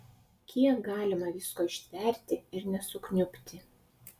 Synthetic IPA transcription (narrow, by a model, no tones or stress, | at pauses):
kʲʰiɛk̚ɡɑːlʲɪmɐʋʲɪskoːɪʃʲt̪ʲʋʲɛˑɾʲt̪ʲɪɪɾnʲɛsʊknʲʊpʲt̪ʲɪ